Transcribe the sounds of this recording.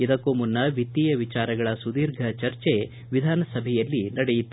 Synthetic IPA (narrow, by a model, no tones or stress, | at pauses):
id̪ɐkːoːmunːɐʋit̪ːijɐʋit͡ʃaːɾɐɡɐɭɐsud̪iːɾɡʱɐt͡ʃɐɾt͡ʃe̞ | ʋid̪ʱaːnɐsɐbʱɛjɐlːinɐɽɛjit̪ːu